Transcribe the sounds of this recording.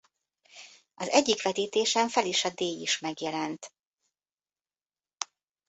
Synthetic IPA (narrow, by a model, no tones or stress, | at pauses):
ɒzɛɟːikʋɛt̪iːt̪eːʃɛɱfɛliʃɒd̪eːjiʃmɛɡjɛlɛnt̪